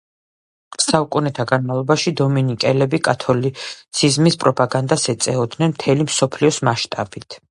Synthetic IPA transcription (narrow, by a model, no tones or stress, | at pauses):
saukʼunɛt̪ʰaɡanmavlˠɔbaʃid̪ɔminikʼɛlɛbikʼat̪ʰɔlitt̪sʰizmispʼɾɔpʼaɡand̪asɛt̪sʼɛɔd̪nɛnmt̪ʰɛlimsɔpʰliɔsmaʃt̪ʼabit̪ʰ